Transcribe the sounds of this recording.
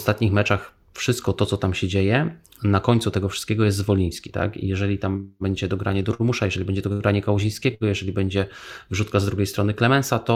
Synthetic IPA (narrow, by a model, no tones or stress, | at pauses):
st̪at̪̚ɲixmɛt͡ʂax | fʂɘst̪̚kɔt̪ɔt̪sɔt̪amɕɛd͡ʑejɛ | nakɔɲt̪sut̪ɛɡɔfʂɘ̥st̪kʲɛɡɔjɛst̪zvɔlʲij̃skʲi̥t̪a̰kḭjɛʐɛlʲit̪ambɛɲd͡ʑɛd̪ɔɡɾaɲɛd̪uɾmuʂajɛʐɛlʲibɛɲd͡ʑɛd̪ɔɡɾaɲɛkawʑĩj̃skʲɛɡɔjɛʐɛlʲibɛɲd͡ʑɛvʐut̪̚kazd̪ɾuɡʲejst̪ɾɔnɘklɛmɛnsat̪ɔ